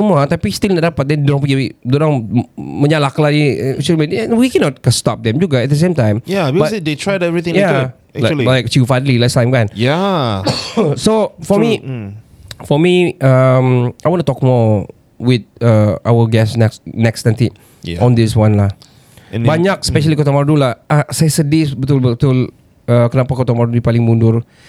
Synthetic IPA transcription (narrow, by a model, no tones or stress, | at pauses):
əmuat̪apistilnɛdapat̚dɛ̃nduɾãŋpuɡiwidoɾãŋməɲalakladisumeɛwikɛnɔt̚kəstɔp̚dɛ̃md͡ʒuɡaɛt̚dəs̬ẽmtãj̃mjabikbɔsedetʰɹajdɛvɹit̪ĩja | ɛalilajk̚tjufanlilastãɪj̃mkãnja | sofɔmi | fɔmiʔʌmajwɔ̃ntut̪ɔk̚mɔ | wɪd̪̚aʔawəɡɛsnɛksnɛkstɛ̃nt̪i | ɔ̃nd̪ɪswãnlah | nbaɲak̚spɛʃəlikot̪ɔmaɾdulaasajsədisbət̪ulbət̪ul | akənapakot̪ɔmaɹdudipalɪ̃ŋmũndur